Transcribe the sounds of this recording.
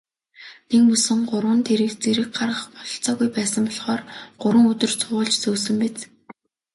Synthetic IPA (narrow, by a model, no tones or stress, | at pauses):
nekmɵsɵ̆ŋɢʊɾwə̆nt̪ʰeɾɘ̆kt͡seɾɘ̆k̚ɢarʁə̆χpɔɮɞ̆ɬt͡sɔːɣujpæːsə̆mpɔɮχɔːrɢ̥ʊɾwə̆ŋɵt̪ɵ̆rt͡sʰʊʊ̆ɮt͡ɕt͡sɵːsɵ̆mpet͡s